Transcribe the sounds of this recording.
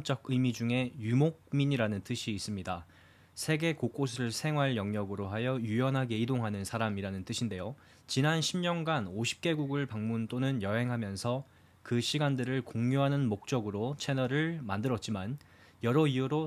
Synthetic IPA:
t͡ɕ͈ʌɡ̚ɯjmid͡ʑuŋe̞jumok̚miɲiɾanɯnt͈ɯɕʰiːs͈ɯmɲida | sʰe̞ɡe̞kok͈os̬ʰɯɭsʰe̞ŋwaɭjʌŋɲʌɡɯɾoɦajʌjujʌnɦaɡe̞idoŋɦanɯnsʰaɾamiɾanɯnt͈ɯɕʰinde̞jo | t͡ɕinanɕʰimɲʌnɡanoɕʰi̥p̚k͈e̞ɡuɡɯɭpaŋmunt͈onɯnjʌɦe̞ŋɦamjʌnsʰʌ | kɯɕʰiɡandɯɾɯɭkoŋɲoɦanɯnmok̚t͡ɕ͈ʌɡɯɾot͡ɕʰe̞nʌɾɯɭmandɯɾʌt̚t͡ɕ͈iman | jʌɾʌiuɾo

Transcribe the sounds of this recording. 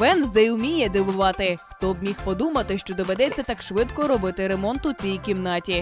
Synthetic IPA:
ʋɛnzd̪ɛjʊmʲijɛd̪ɪʋʊʋɑt̪ɪt̪ɔbmʲixpɔd̪umɐt̪ɪʃt͡ʃɔd̪ɔʋed̪ɛt͡sʲːɐt̪ɑkʃʋɪt̪kɔɾɔbɪt̪ɪɾemɔnt̪ʊt͡sʲijikʲimnɑtʲi

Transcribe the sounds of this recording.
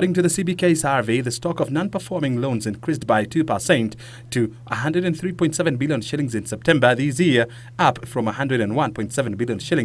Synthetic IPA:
ɾɪ̃ŋtɨðɨsibikʰeɪsɑɹviðɨstɔkʌvnɑ̃npə˞fɔɹmɪ̃ŋlõʊ̃nzɨ̃nkʰɹ̥isbaɪtʰʉpəsẽɪ̃ntʰ | ɨʔəɦʌ̃ndɹɨɾɨ̃nθɹipʰɔ̃ɪ̃ntsɛvɨ̃nbɪlˠjɨ̃nʃɪlˠɪ̃ŋzɨ̃nsɛp̚tʰɛ̃mbə˞ðiz̬jɪɹ | ʌpfɹʌ̃məhʌ̃ndɹɨɾɨ̃nwʌ̃npʰɔ̃ɪ̃ntsɛvɨ̃nbɪlˠjɨ̃nʃɪlɪ̃ŋ

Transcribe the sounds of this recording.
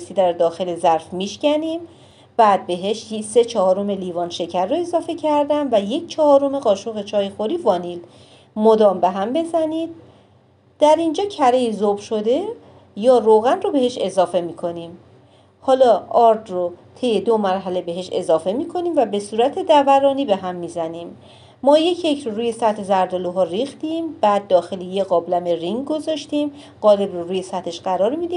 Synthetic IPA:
st̪iːd̪æɾd̪ɒːxe̞lezæɾfmiːʃcæniːm | b̥æːd̪̚be̞ɦeʃse̞t͡ʃʰɒhɒːɾome̞liːvɒːnʃe̞cʰæɾːoe̞zɒːfe̞cʰæɾd̪ænvæje̞cʰt͡ʃʰɒhɒːɾome̞ɣɒːʃoɣe̞t͡ʃʰɒːjixoɾiːvɒːniːl | mod̪ɒːmbe̞ɦæmbe̞zæniːd̪̚ | d̪̥æɾind͡ʒɒːcʰæɾeizobʃo̞d̪e̞ | jɒːɾoɣænro̞be̞ɦe̞ʃe̞zɒːfe̞miːkʰo̞niːm | hɒːlɒːɒːɾd̪rot̪ʰe̞jːe̞d̪omæɾɦæle̞be̞ɦeʃe̞̰zɒːfe̞miːkʰo̞niːmvæbe̞suːɾæt̪ʰe̞d̪ævæɾɒːniːbe̞ɦæmːiːzæniːmː | ɒːje̞cʰje̞cʰɾoɾuːje̞sæt̪ʰezæɾd̪oluɦɒːɾiːxt̪iːmb̥æːd̪̚ːɒːxe̞lijeɣɒːblæmeɾiŋɡɡo̞zɒːʃt̪iːm | ɢ̥ɒːlebroɾuːje̞sæt̪ʰe̞ʃɢæɾɒːɾmid̪iː

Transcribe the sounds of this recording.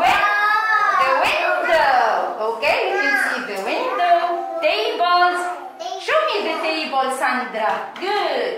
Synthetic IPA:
wɛndəwɪ̃ndookeifjusidəwɪ̃ndotebɔls | ʃomidəteibɔlsãndɾaɡud

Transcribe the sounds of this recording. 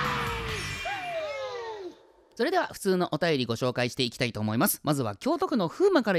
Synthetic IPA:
so̞ɾe̞d̪e̞βaɸɯ̥t͡sɨːno̞ʔo̞t̪ajo̞ɾʲiɡo̞ɕo̞ːkaiɕi̥t̪e̞ikʲi̥t̪ait̪o̞ːmo̞imasɨ̥mazɨβ̞akʲo̞ːt̪o̞kɯ̟no̞ɸɯːmakaɾa

